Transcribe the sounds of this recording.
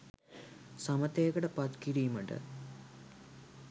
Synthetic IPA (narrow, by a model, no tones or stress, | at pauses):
sɐmɐt̪ːeːkɐɽɐpɐt̪kiɽijumɐʈɨ̰